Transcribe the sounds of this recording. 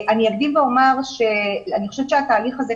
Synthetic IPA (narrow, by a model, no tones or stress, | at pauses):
ʔanijakd̪imveo̞maʁʃe̞aniχo̞ʃevʃeat̪aːliχaze